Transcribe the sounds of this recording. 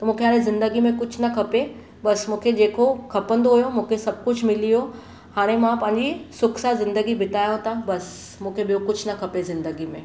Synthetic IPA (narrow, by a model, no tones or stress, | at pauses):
t̪ɐmũːkʰeaːɾẽzɪ̃nd̪əɡimẽkʊt͡ʃʰnɐkʰɐpe | bɐsmũːkʰed͡ʑeːkokʰɐpə̃nd̪oɦujomũːkʰesɐb̚kʊt͡ʃʰmɪlijo | haːɾ̃ẽmãpɐ̃ɦɪ̃ɲd͡ʑisʊkʰsazɪ̃nd̪əɡibʱɪʈ̪aːjõt̪abɐs | mũːkʰebɪjokʊt͡ʃʰnɐkʰɐpezɪ̃nd̪əɡimẽ